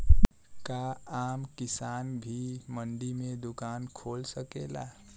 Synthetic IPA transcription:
kaamkisanbʱiməɳɖimed̪ukankʰolsəkela̰

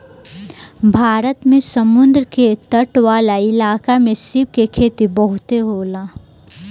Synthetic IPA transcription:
bʱaːɾət̪mẽsɐmʊnd̪ɾəket̪əʈʋaːlaɪlaːkamẽsɪbkekʰeːt̪ibəɦʊt̪eɦoːlaː

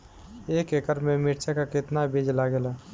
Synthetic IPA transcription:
eːkekəɾmemiʈt͡ʃʰakakɪt̪nabed͡ʒlaɡelɛ

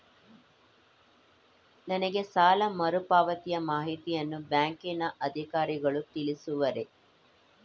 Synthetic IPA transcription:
nɐnɐɡe̞saːlɐmɐɾupaːʋɐt̪ijɐmaːɦit̪ijɐnːubjaːŋkinɐʔɐd̪ʱikaːɾiɡɐɭut̪ilisuʋɐɾe̞

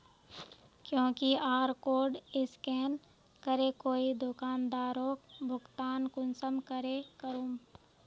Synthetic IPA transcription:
kjõːkiaːɾkoːɾɖɪskɛːn | kəɾekoːid̪ʊkaːnd̪aːɾoːkbʱʊɡt̪aːnkʊnsəmkəɾekəɾum

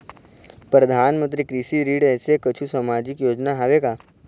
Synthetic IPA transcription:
pɾəd̪ʱaːnmə̃nt̪ɾikɾisiɾiːɽɛːsekət͡ʃʰusamaːd͡ʒikjoːd͡ʒnaɦaʋekaː

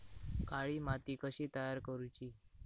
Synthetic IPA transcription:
kaɭiːmat̪iːkəɕiːt̪əjaɾkəɾut͡ɕiː

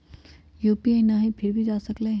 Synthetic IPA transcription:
juːpienaɦĩpʰɪɾbʱid͡ʒaːsəkleː

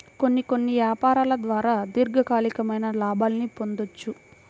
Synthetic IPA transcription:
ko̞nːiko̞nːiʋjaːpaːɾaːlɐd̪ʋaːɾaːd̪iɾɡɐkaːlikɐmɐjnɐlaːbaːlnipo̞nd̪o̞t͡ʃːu

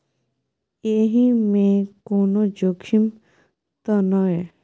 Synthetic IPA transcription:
eɦimẽkonod͡ʒokʰim | t̪ɔnɔe

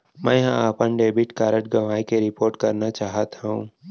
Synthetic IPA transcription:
mɛ̃ːɦãaːpənɖeːbɪʈkaːɾəʈɡɐʋaːikeɾɪpoːɾʈkɐɾnat͡ʃaːɦət̪aɦṵ̃ː

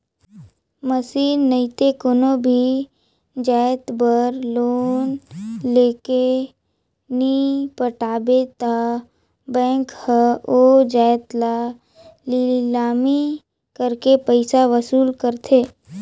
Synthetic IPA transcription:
məsiːnːəɪt̪ekonobʱi | d͡ʒɛːt̪bəɾloːnleːke | nipəʈaːbet̪a | bɛ̃ːŋkhəod͡ʒɛːt̪la | lilaːmi | kəɾkepəɪsaʋəsuːlkəɾt̪ʰeː

